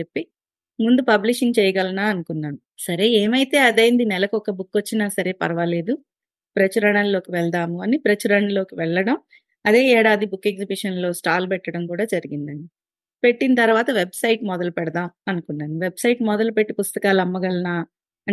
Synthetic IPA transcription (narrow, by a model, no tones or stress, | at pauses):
epːi | mund̪upɐbliʂiŋɡt͡ʃɛːjɐɡɐlɐnaːɐnukunːaːnu | sɐɾe̞ːeːmɐjit̪e̞ːɐd̪eːjnd̪inɛlɐkuɔkɐbukːʋot͡ʃːinaːsɐɾe̞ːpɐɾɐʋɐle̞ːd̪u | pɾɐt͡ʃuɾɐɳɐnlo̞ːkiʋɛɭd̪aːmuɐnipɾɐt͡ʃuɾɐɳlo̞ːkiʋɛɭːɐɽɐm | ɐd̪e̞ːɛːɽaːd̪ibukːe̞ɡzibiʂɐnlo̞ːsʈaːlpɛʈːɐɽɐmkuːɽaːd͡ʒɐɾiɡind̪ɐɳɖi | pe̞ʈːinɐt̪ɐɾʋaːt̪ɐʋe̞bsɐjʈmɔd̪ɐlupɛɽɐd̪aːmɐnukunːaːnuʋebsɐjʈmɔd̪ɐlupe̞ʈːipust̪ɐkaːlɐmːɐɡɐlɐnaː | ɐ